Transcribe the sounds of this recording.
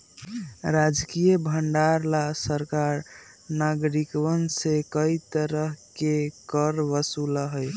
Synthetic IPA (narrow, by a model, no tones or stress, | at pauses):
ɾad͡ʒkijəbʱəɳɖaɾlasəɾkaɾ | naɡɾikwənsekəit̪əɾəɦkekəɾʋəsulaɦəj